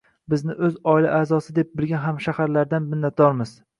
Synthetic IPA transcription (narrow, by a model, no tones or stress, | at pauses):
bɪznɪʔɵzɒɪlaʔaːzɒsɪd̪e̞p̚bɪlɡʲanɦamʃahaɾlaɾd̪anmɪnːat̪̚d̪ɒɾmɪz̥